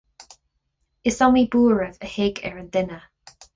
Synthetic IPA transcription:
ɪsɔmibuːɹəvəhɪɡɛ̰ɹənd̥̪ɪnə

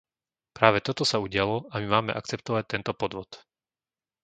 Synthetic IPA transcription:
pɾaːʋɛt̪ɔt̪ɔsauɟɪalɔamimaːmɛʔa̰kt͡sɛp̚t̪ɔʋac̚t̪ɛnt̪ɔpɔd̪ʋɔt̪

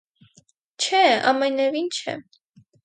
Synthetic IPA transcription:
t͡ʃʰɛɑ̰mɛnɛvint͡ʃʰɛ̰

